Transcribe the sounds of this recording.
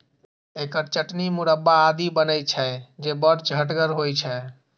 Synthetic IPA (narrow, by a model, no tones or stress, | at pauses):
ekəɾt͡ʃəʈnimuɾəbːaːd̪ibənət͡ʃʰɛd͡ʒebəɾt͡ʃɦəʈɡəɾɦojt͡ʃʰɛ